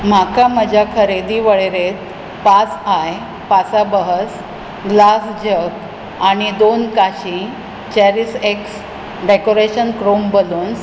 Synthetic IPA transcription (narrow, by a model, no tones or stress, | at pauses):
m̤akaməd͡ʑʱakʰəɾed̪iʋəɭeɾet̪̚ | pat͡saj | pasabəɦəs | ɡlasd͡ʑək | aɽ̃id̪onkaɕĩ | t͡ɕɛɾiseks | ɖekoɾeɕənkɾombəluːn